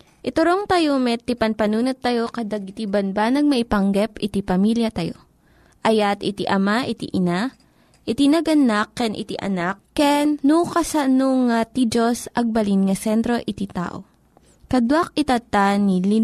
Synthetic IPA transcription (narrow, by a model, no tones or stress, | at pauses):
ʔɪt̪ʊɾoŋt̪ɐjomɛt̪ːipɐnpɐnuːnot̪ːɐjo̞kɐd̪aɡɪt̪ibɐnbanɐɡ̚mɐʔipɐŋɡɛpɪt̪ipɐmiljɐt̪ɐjo̰ | ʔɐjat̪ɪt̪iʔɐmaʔɪt̪ḭʔɪna | ʔɪt̪inɐɡɐnakːɛnʔɪ̰t̪ḭʔɐ̰nakːɛnːukɐsɐnoŋat̪id͡ʒosʔɐɡ̚bɐlinŋɐsɛnt̪ɾo̞ʔɪt̪it̪a̰ːʔo̰ | kɐd̪wak̚ɪt̪at̪anili